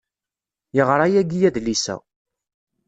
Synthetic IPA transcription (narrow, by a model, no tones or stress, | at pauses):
jəʁɾˤajæɡijæðlisæ̰